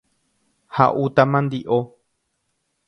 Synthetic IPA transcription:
ha̰ʔut̪amãnd̪iʔo

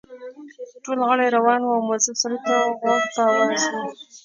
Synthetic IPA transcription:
ʈolɣəɽajɾawɑnwuawmazɪbsaɾt̪aɣwaɡpəawɑzwi

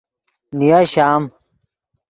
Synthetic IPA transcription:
nijaɕaːm

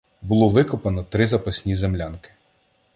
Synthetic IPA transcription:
bʊlˠɔʋɪkɔpɐnɔt̪ɾɪzɐpɐsʲnʲizemlʲankɪ̥

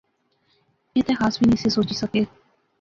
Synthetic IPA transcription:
et̪ɛːxaːsbʱinisesoːt͡ʃisəkeː

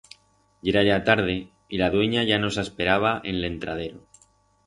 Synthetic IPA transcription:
eɾaʝat̪aɾð̞e̞ | ilaðwe̞ɲaʝano̞saspe̞ɾaβ̞aʔenle̞nt̪ɾaðe̞ɾo

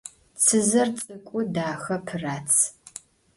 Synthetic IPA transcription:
t͡sʰɨzɐrt͡sʼɨkʷʼʊdaːxɐpʰɨraːt͡sʰ

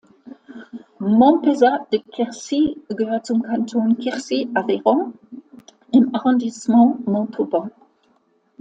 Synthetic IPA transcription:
mɔ̃pezad̪̥əkʰɛʁsiɡvat̪umkãnt̪ʰonkʰɛʁsiaveʁɔ̃ | ɛ̃maʁɔ̃d̪ismɑ̃mɔ̃t̪ʰubɑ̃

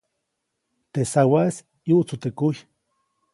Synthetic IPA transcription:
t̪esawas | juʔt͡sut̪ekuj

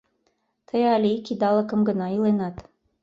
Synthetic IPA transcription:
t̪ʰɤjɑlʲikid̪ɑlˠɤ̆kɤ̆mɡɤ̆nɑilˠɤ̆nɑt̪

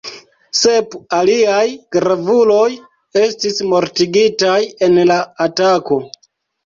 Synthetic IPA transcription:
se̞paliajkɾavulo̞j | e̞stismo̞ɾtiɡitaje̞nlaːtako̞

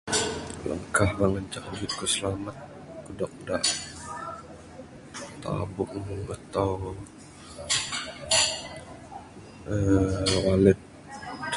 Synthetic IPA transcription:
lə̰ŋkahməŋəɲt͡ʃakbit̪̚kəsəlamat̪̚kədɔk̚da̰ʔ | t̪a̰bʊʔ̚nuat̪aw | əwalɛt̪̚

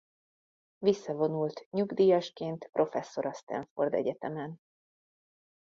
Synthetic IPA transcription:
visːɒvo̞nult̪ɲuɡd̪iːjɒʃkeːnt̪prʔo̞fɛsːo̞ɾɒst̪ɛ̰ɱfo̞̰rd̪ɛ̰ɟɛt̪ɛmɛn

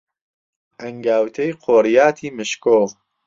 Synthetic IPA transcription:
ʔɐŋɡaːwt̪ʰejqʰoːɾijaːt̪ʰiːmɨʃkoː

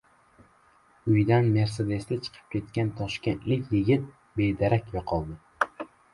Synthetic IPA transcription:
ʊjd̪anme̞ɾse̞d̪e̞sd̪at͡ʃʰɨ̥qʰɨ̥p̚kʲʰe̞t̪kʲant̪ʰɒʃkʲe̞nt̪lɪkʲjɪɡʲɪt̪̚ | be̞d̪aɾakʲvaqʰɒlˠd̪ɪ

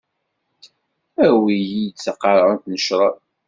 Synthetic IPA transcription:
æɾwijijt͡sːəqːɑɾˤɾˤənt̪nəʃɾˤɑ

